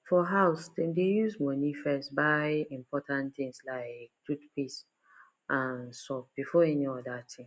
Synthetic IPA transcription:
fɔɦaʊstĩdejuzmɔnifɛstbaɪĩmpʰɔtʰãntθĩŋslaɪktutpis | ʔãnsɔp̚b̥ifɔɛniɔdatʰĩŋ

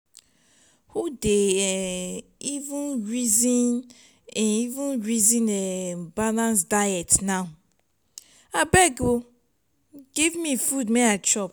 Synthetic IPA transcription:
hudeɛ | ivũnɹizin | ivũnɹizĩnɛbalãnsdajɛtnaʊ | abɛɡo | ɡ̥ivmifudmɛat͡ʃɔp

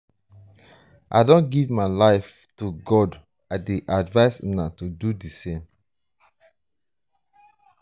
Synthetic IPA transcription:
ʔa̰dõnɡivmaɪlaɪf | tuɡɔd | aɪdeʔadvaɪsinatududisẽm

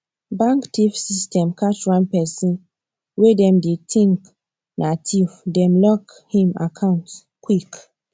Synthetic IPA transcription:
bãŋktʰifsistɛ̃mkat͡ʃwãnpɛsĩn | wedɛ̃mdetʰĩŋk | natʰivdɛ̃mlɔk | hĩmakʰãʊ̃nt | kwik

